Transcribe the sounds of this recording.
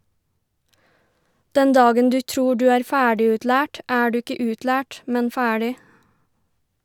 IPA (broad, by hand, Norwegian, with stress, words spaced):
ˈdɛn ˈdɑːɡən ˈdʉː ˈtɾuː ˈdʉː ˈæːɾ ˈfæːɖɪʉtˌlæːʈ ˈæː ˈɖʉː ˈɪkə ˈʉːtˌlæːʈ ˈmɛn ˈfæːɽɪ